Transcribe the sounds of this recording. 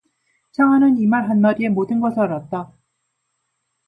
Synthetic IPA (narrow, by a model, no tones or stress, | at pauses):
t͡ɕʰaŋanɯnimaɾɦanmaɾie̞modɯnɡʌsʰaɾat̚t͈a